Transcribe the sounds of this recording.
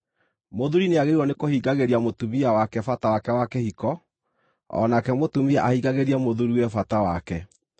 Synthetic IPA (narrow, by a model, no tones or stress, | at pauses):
moðuɾineaɣeiɾwɔnekohiɡaɣeɾiamotumiawakɛfatawakɛwakɛhikɔ | ɔ̰nakɛmotumiɛʔahiɡaɣeɾiamoðuɾiwɛfatawakɛ